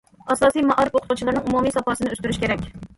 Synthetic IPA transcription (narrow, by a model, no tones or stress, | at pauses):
ɑsɑːsijmɑʔɑɾɪpoqʰt̪ʰut͡ʃʰilˠɑɾnɨŋumumijsɑpɑsɨnɪøst̪yɾyʃkʲʰeɾɛkʲ